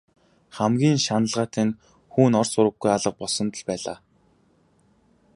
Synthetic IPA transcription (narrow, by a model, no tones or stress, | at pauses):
χæmɡʲiːnʃanə̆ɮʁaːt̪ʰæn | xuːnɔrsʊɾə̆ɡ̚ɡujaɮə̆q̚pɔɮsɞ̆nt̪ə̆ɮpæːɮa̰ː